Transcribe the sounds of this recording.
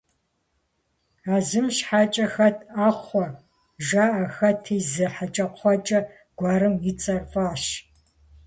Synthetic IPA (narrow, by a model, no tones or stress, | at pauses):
aːzɨmɕħaːt͡ʃʼɐxɐtʰaːχʷɔ | ʒaːʔɐxɐtʰiːzɨħat͡ʃʼɐqʷʰɔt͡ʃʼɐ | ɡ̥ʷɑːɾɨmjɪt͡sʼɐrfʼaːɕ